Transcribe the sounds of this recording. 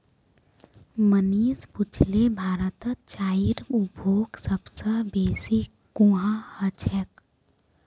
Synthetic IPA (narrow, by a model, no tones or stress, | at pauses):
məniːspʊt͡ʃʰlebʱaːɾət̪ət͡ʃaːiɾubʱoːɡsəbsəbeːsi | kũɦãhət͡ʃʰək